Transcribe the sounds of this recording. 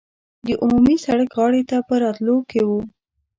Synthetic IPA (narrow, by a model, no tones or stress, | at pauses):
d̪əʔumumisaɽəkɣɑɽet̪apəɾɑt̪lokewu